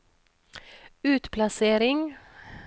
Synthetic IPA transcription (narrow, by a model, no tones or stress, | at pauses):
ʉːt̪pʰlɑseːɾɪŋ